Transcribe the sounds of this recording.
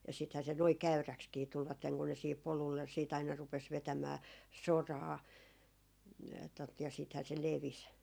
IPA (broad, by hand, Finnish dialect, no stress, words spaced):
jɑ sithæ se noi kæyrækskiː tulʋɑtːeŋ kun ne siːhip polulːe siːt ɑinɑ rupes ʋetæmæː sorɑː tot jɑ siːthæː se leʋis